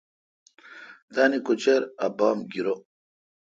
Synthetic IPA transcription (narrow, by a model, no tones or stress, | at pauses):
t̪aːnikut͡ɕeɾɐbaːmɡiɾo